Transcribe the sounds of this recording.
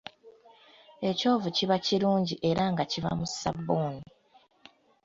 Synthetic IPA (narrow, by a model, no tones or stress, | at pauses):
e̞co̞ːvuciβaciɾuːɲɟiʔe̞ɾaŋɡaciva̰musa̰bːoːni